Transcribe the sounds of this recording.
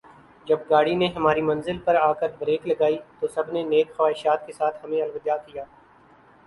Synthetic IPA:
d͡ʒɐb̚ɡaːɽineɦɐmaːɾimɐ̃nzɪlpɐɾaːkəɾbɾeːklɐɡaːit̪osɐbʱneneːkxɐʋaːɦɪʃaːt̪kesaːt̪ʰhɐmẽɐlʋəd̪jaːkijaː

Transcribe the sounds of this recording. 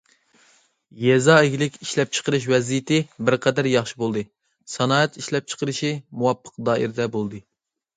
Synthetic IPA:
jɛzɑːɪɡʲilɪkʲiʃlɛp̚t͡ʃʰə̥qʰəɾɨʃ̬wɛzijɪt̪ʰɪbɪɾqʰɛd̪æɾjɑχʃibolˠd̪ɨ | sɑnɑːɛt̪ʰiʃlɛp̚t͡ʃʰə̥qəɾɨʃimuwɑpʰːə̥q̚d̪ɑːḭɾd̪ɛbolˠd̪ɨ

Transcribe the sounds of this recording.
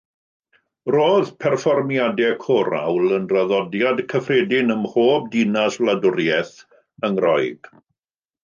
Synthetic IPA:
roːðpʰɛrfɔrmjadɛkʰɔɾa̰wlənraðɔdjadkʰəfredɪnəmhoːb̚dinaslˠadʊrjɛθ | əŋrɔjɡ̥

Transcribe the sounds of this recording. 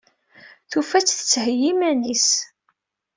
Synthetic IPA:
θufæt͡sːθə̥t͡sːhəjimænis

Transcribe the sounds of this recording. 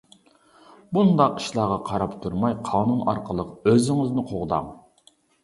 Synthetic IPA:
bund̪ɑqi̥ʃlˠɑːʁɑqʰɑɾɑpt̪ʰuɾmɑjqʰɑːnunɑ̰ɾqʰəlˠəqøzɪŋɪznɪqʰoʁd̪ɑ̰ŋ

